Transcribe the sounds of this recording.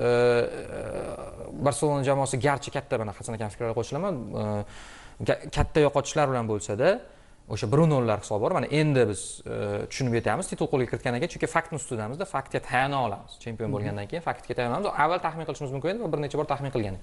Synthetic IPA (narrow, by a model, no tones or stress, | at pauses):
baɾse̞lˠo̞nad͡ʒamɒːsɪɡʲaɾt͡ʃʰɪkʲat̪ʰːamanaχɑsanakʲanfɪ̥kɾalɪqʰoʃɪlaman | akʲʰat̪ʰːajɒqʰɒt̪ʰɪʃlaɾbɪlanbolˠsad̪a | oʃabɪɾunolːaɾhɪ̥sɒbbɒɾmana̰ʔe̞nd̪ɪbɪz̥t̪ʰʊ̥ʃʊnɪpje̞t̪ʰamɪzt̪ʰɪ̥t̪ʊlˠqʰolˠɡʲakʰʲɪɾɪt̪kʲanekʲat͡ʃʰʊŋkʲɪfak̚t̪nɪst̪ʊd̪amɪzd̪afak̚t̪ɡʲat̪ʰajanaɒlˠa̰mɪz̥t͡ʃʰe̞mpʲio̞nbolˠɡʲand̪ankʰʲejɪnfakt̪̚ɡʲat̪ʰajanamɪzavːalt̪ʰaχmɪnqɨlɪʃɪmɪzmʊmkʲɪneɪvabɪɾne̞t͡ʃʰabɒɾt̪ʰaχmɪnqʰɨlˠɡʲanɪ